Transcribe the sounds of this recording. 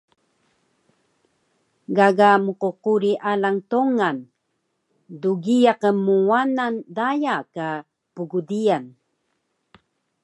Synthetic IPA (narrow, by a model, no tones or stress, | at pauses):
ɡaɡamuququɾiʔalaŋtoŋan | duɡijaqəmːuwanandajaka | puɡudijan